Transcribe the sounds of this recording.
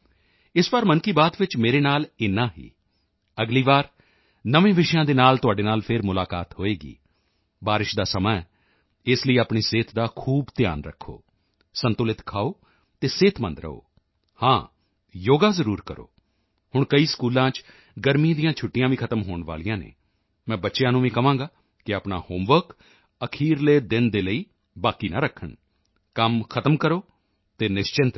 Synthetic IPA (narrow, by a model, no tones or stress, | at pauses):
ɪsʋaːɾmənkiːbaːt̪ʋɪt͡ʃmeːɾeːnaːlɪnːãːɦḭː | əɡliːʋaːɾ | nəʋẽːʋɪʃjãːd̪eːnaːlt̪ʊaːɖeːnaːlpʰɪɾmʊlaːka̰ːt̪ɦoːeːɡḭː | baːɾɪʃd̪aːsəmaː | ɪsləiːaːpɳiːseːt̪ʰd̪aːkʰuːbt̪ɪja̰ːnɾə̰kʰːo̰ː | sənt̪ʊlɪt̪kʰaːoː | t̪eːseːt̪ʰmə̃nd̪ɾə̰o̰ː | hãː | joːɡaːzəɾuːɾkəɾo̰ː | hʊɳkəiːskuːlãːt͡ʃ | ɡəɾmĩːd̪ijãːt͡ʃʰʊʈːɪjãːʋiːkʰət̪əmɦoːɳʋa̰ːlijãːnḛː | mɛ̃ːbətːʃjãːnũːʋĩːkəʋãːŋɡaː | kɪaːpɳa̰ːhoːmʋəɾk | əkʰiːɾleːd̪ɪnd̪eːləiː | baːkiːnaːɾəkʰːəɳ | kəmkʰət̪əmkəɾoː | t̪eːnɪʃt͡ʃɪnt̪